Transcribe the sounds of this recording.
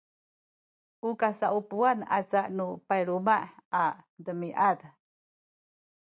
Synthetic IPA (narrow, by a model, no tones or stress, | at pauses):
ʔukasaʔupuana̰t͡saʔnupajɾumaʔadəmiʔad